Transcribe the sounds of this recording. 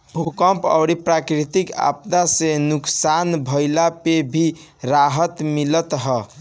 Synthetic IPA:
bʱukəmpə̰ʊɾipɾakɾit̪ika̰p̚d̪asenuksanbʱəjlapebʱi | ɾaɦət̪milət̪ɦə

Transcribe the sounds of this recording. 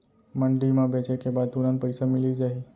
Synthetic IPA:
məɳɖimãbʱɛt͡ʃekebat̪uɾãnpəjsamiliːd͡zaɦi

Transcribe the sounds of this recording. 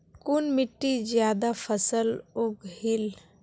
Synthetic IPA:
kʊnmɪʈːid͡ʒjaːd̪apʰəsəlʊɡhɪl

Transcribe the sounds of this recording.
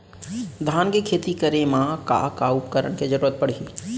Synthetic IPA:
d̪ʱaːnkekʰeːt̪ikəɾemãka̰kaʊpkəɾəɽ̃ked͡ʒəɾuːɾət̪̚pəɽ̤i

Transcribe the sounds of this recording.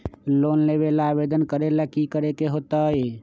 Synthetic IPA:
lonleβelabed̪ənkəɾelakikəɾekeɦot̪əj

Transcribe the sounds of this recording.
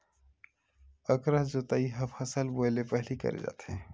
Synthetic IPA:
əkɾəɦd͡ʒot̪aiɦɐbhɐsəlboelepɛɦlikə̰ɾḛd͡ʒa̰ːt̪ɦɛ̃ː

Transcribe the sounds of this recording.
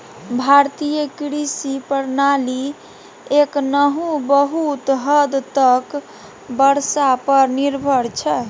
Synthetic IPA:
bʱaɾt̪ijəkɾisipəɾnali | eknəɦũbəɦut̪ɦəd̪t̪ək | bəɾsapəɾniɾbʱəɾt͡ʃʰɛ

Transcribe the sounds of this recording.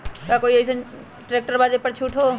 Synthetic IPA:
kakoːiɐsə | ʈɾeːk̚ʈəɾbaːd̪epɐɾt͡ʃʰuːʈʰɦoː

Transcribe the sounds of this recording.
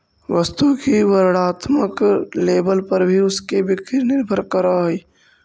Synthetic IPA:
ʋəst̪ukiʋəɾɽaːt̪məkleːbəlpəɾbʱiʊskebɪkɾinɪɾbʱəɾkəɾaɦi

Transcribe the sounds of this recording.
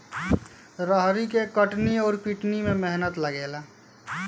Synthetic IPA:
ɾəɦɾikekəʈniɔːɾpiʈnimẽmeɦnət̪ləɡeːla

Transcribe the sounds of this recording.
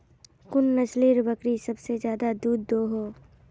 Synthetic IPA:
kʊnːɐsliɾbəkɾisɐbsezjaːd̪ad̪uːd̪ːoːɦoː

